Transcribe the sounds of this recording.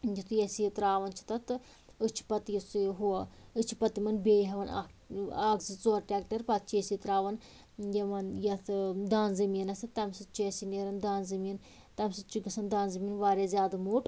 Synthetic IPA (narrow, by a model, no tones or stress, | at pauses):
d͡ʒit̪ʰjesit̪ɾaːʋɐnt͡ʃʰi̥t̪ɐt̪ɨ | ɨt͡ʃʰpɐt̪ijisiɦuɐɨt͡ʃʰipɐt̪imɐnbeːjɦɐʋɐna̰aːɡzɨt͡soːɾʈʲaːkʈɐɾpat̪̚ʰt͡ʃʰjesit̪ɾaːʋɐn | jɐmɐnjɐt̪ʰd̪aːnzɐmiɐnɐsit̪ɐmsɨt͡ʃʰiesineɾɐnd̪aːnzɐmiin | t̪ɐmsɨt͡ʃiɡɐsɐnd̪aːnzɐminʋaːɾezʲjaːd̪ɐmuːʈ